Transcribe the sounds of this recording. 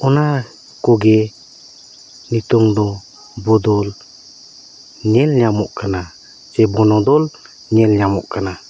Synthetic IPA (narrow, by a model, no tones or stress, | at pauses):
ɔna | kɔɡɛ | nit̪ɔŋd̪ɔ | bɔd̪ɔl | ɲɛlɲamɔʔkana | sɛbɔnɔd̪ɔl | ɲɛlɲamɔʔkana